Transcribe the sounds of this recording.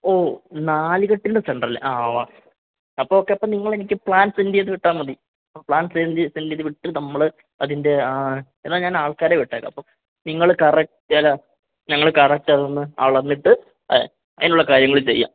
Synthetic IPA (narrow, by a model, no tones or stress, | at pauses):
oːnaːliɣɐʈːiɳɖɐseɳɖrɐlḛʔaʋaː | ɐpːoːokːeɐpːoːniŋːɐɭe̞nik̬ʲːɨpɭaːnsendijɐðɨʋiʈːaːmʋɐði | ɐpːopɭaːnsend̪isendijɐðɨʋiʈːɨnɐmːɐɭɨ | ɐðinde̞enːaːɲaːnaːɭkaːɾeːʋiʈːaːkːɐ̰ɐpːo | niŋːɐɭkɐrɐk̚ʈtɐlɐ | ɲɐŋːɐɭɨkɐrɐk̚ʈaðonːɨa̰ːɭɐnːiʈːɨ | ɐ̰ðinuɭːɐkaːɾjɐŋːɐɭt͡ɕe̞̰jːa̰ː